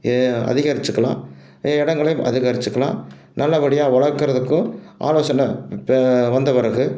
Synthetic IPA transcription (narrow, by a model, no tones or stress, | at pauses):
ɐ̰ðɪɣɐɾɪt͡ʃːɯkːɐɭã̰ː | ɪɽɐŋɡɐɭɐj̃ʔɐ̰ðɪɣɐɾɪt͡ʃːɯkːɐɭlã̰ː | nɐlːɐʋɐɽɪjaːʋɐɭɐɾkːɯɾɐðɯkːʊ̃ʔa̰ːloːsɐnɐ | ʋɐnd̪ɐpɪɾɐɣɯ